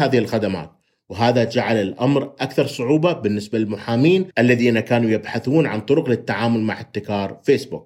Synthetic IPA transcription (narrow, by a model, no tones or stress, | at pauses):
aːðɪhɪlxad̪ama̰ːt̪ | wɦaːðad͡ʒaʕalɪlʔamɾʔakθɑɾˤsˤʊʕuːbabɪnːɪsbalɪlmʊħaːmiːnʔalːaðiːnakaːnujɪbħaθuːnʕa̰nt̪ˤʊɾʊqlɪt̪ːaʕaːmʊlma̰ʕɪt̪ːɪkɑːɾˤfeːsbuk